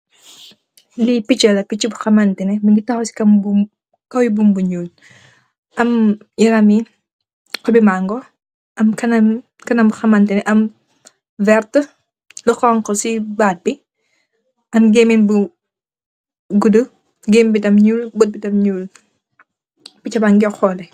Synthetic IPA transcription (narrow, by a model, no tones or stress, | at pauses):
lipit͡ʃɐlɐpit͡ʃːibuxɐmɐntinɛminɡitɐxɔsi̥kɐmbum | kɐwjibumbuɲuːl | ʔɐm | jiɾɐmi | qɔbimaŋɡɔ | ʔɐmkɐnɐm | kɐnɐmbuxɐmɐntinɛʔɐm | vɛrt | lɔxɔŋkɔsibaːt̚bi | ʔɐmɡeminbu | ɡudə | ɡeːmbidɐmɲuːlbot̚bidɐmɲuːl | pit͡ʃɐbaŋɡɛxɔlɛ